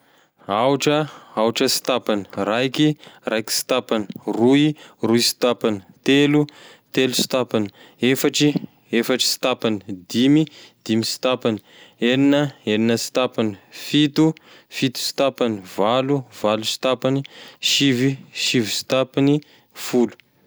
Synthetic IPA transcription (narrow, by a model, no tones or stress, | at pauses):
auʈ͡ʂəauʈ͡ʂəsi̥t̪apani̥rajkirajki̥si̥t̪apani̥ruiruisi̥t̪apanit̪elu | t̪elusi̥t̪apani̥ | efaʈ͡ʂi | efaʈ͡ʂi̥si̥t̪apanid̪imid̪̥imisi̥t̪apani̥ | eninəeninəsi̥t̪apanifit̪u | fit̪u̥si̥t̪apanivaluvalusi̥t̪apaniʃiviʃivisi̥t̪apini | fulu̥